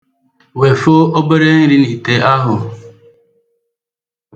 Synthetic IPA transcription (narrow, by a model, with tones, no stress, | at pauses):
we˨fo˦o˦be˦ɾe˦ŋ̩˦ɾi˦ni˨te˨a˦ɦʊ˨